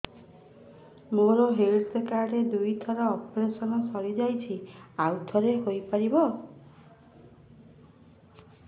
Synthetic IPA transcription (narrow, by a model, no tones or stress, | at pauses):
moɾɔɦelsekaɖed̪ujt̪ʰɔɾɔːpɔɾesɔnɔsɔɾid͡ʒajt͡ʃʰiawt̪ʰɔɾeɦojpaɾibɔ